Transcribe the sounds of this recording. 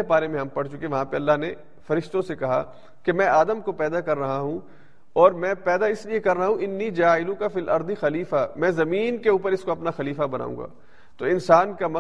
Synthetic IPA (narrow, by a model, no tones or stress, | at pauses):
ebaːɾemẽɦɐmpɐɽt͡ʃʊkieʋɐɦãpeɐlːaɦne | fɐɾɪʃt̪õsekɐɦa̰ | kemɛ̃ːaːd̪əmkopɛːd̪akɐɾːɐɦaɦũ | ɔːɾmɛ̃ːpɛːd̪aɪsliekɐɾːɐɦaɦũʔɪnːiːd͡ʒaːɪlũkafilʔɐ̰ɾd̪ixɐliːfamɛ̃ːzɐmiːnkeuːpəɾɪskoɐpnaxɐliːfabɐna̰ːṵ̃ːŋɡa̰ː | t̪oːɪnsaːnkamɐ